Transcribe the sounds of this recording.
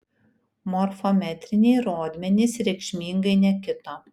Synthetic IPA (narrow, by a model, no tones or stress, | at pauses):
mɔɾfɔmʲɛt̪ʲɾʲɪnʲeɪɾoːd̪ʲmʲɛnʲɪsɾʲɛɪkʃʲmʲiːŋɡɐɪnʲɛkʲɪt̪oː